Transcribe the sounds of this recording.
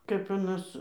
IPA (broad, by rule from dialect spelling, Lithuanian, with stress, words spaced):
kɐp ɐˈnɐs